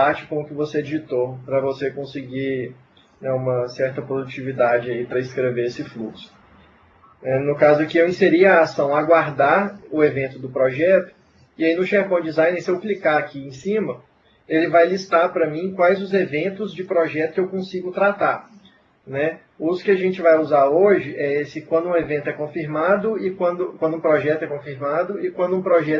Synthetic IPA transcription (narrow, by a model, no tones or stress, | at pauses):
at͡ʃɪ̥kõʊkɪvosed͡ʒit̪opɾɐvosekõsɪɡi | nɛũmɐsɛɾt̪ɐpɾod̪ut͡ʃivid̪ad͡ʒɪaipɾɐɪskɾeveɾesɪfluksʊ̥ | nɛnʊkazʊkɪewĩseɾiɐɐaːsɐ̃w̃aɡwaɾd̪aɾʊevẽnt̪ʊd̪ʊpɾɔʒɛt̪ʊ̥ | iainʊʃɛɾpɐ̃w̃d͡ʒizãj̃nesewklikaɾakiẽsĩmɐ | elɪvajlist̪aɾpɾɐmĩkwajzʊzevẽnt̪ʊzd͡ʒɪpɾɔʒɛt̪ʊ̥kɪewkõsiɡʊt̪ɾat̪aɾ | nɛ | uzʊ̥kɪaʒẽt͡ʃɪvajuzaɾoʒɪʔɛesɪkwɐ̃nd̪ʊũevẽnt̪ʊɛkõfiɾmad̪ʊɪkwɐ̃d̪ʊkwɐ̃nd̪ʊũpɾɔʒɛt̪ʊɛkõfiɾmad̪ʊɪkwɐ̃nd̪ʊũpɾɔʒɛ